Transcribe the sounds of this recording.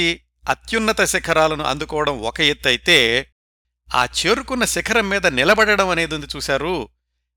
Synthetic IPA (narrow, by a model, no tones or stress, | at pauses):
i | ɐt̪junːɐt̪ɐsɛkʰɐɾaːlɐnuʔɐ̰nd̪ukɔːʋɐɽɐmɔkɐjet̪ːɐjit̪e̞ː | a̰ːt͡ʃe̞ːɾukunːɐsɛkʰɐɾɐmːiːd̪ɐnilɐbɐɽɐɽɐmɐne̞ːd̪ɐnd̪it͡ʃuːsaːɾu